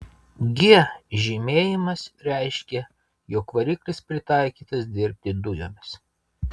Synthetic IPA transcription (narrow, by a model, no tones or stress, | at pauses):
ɡʲɪʒʲɪmʲeːjɪmɐsɾʲɛɪʃʲkʲɛ | joːkʋɐɾʲiklʲɪspʲɾʲɪt̪ɑˑɪkʲiːt̪ɐsd̪ʲɪɾʲpʲt̪ʲɪd̪ʊjo̰ːmʲɪs